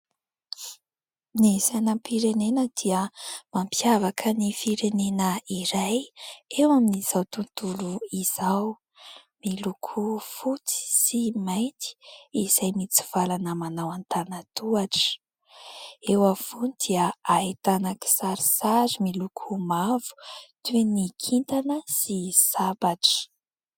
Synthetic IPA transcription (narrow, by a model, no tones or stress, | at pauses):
nisanəmpʰiɾenenəd̪̥iəmampʰjavakʰənifiɾenenəiɾajewaminiz̥awt̪unt̪uluiz̥aw | milukʰufut͡si̥simajnt̪i̥iz̥ajmit͡si̥v̥alanəmanawant̪anat̪uaʈ͡ʂə̥ | ewafunid̪iəait̪anaki̥saɾisaɾimilukʰumavu̥t̪enikʰint̪anəsisabaʈ͡ʂə̥